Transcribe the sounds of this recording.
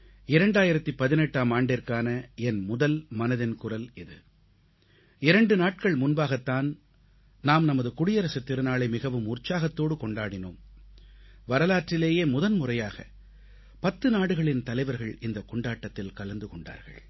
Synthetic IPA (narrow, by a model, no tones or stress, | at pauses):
ɪɾɐɳɖaːjɪɾɐt̪ːɯpɐðɪnɛʈːaːmaːɳɖɪrkaːnɐɛnmʊðɐlmɐnɐðɪnkʊrɐlɪðɯ̰ | ɪɾɐɳɖɯnaːʈ̚kɐɭmʊnbaːɣɐt̪ːaːn | naːmnɐmɐðɯkʊɽɪjɐɾɐsɐt̪ːɪɾɯnaːɭɐɪmɪɣɐʋɯmʊrt͡ʃaːɣɐt̪ːoːɽɯkɔɳɖaːɽɪnoːm | ʋɐɾɐlaːʈrɪleːjeːmʊðɐnmʊrɐjaːɣɐ̰ | pɐt̪ːɯnaːɽɯɣɐɭɪnt̪ɐlɐɪʋɐɾɣɐɭɪnd̪ɐkɔɳɖaːʈːɐt̪ːɪlkɐlɐnd̪ɯkɔɳɖa̰ːɾɣɐ̰ɭ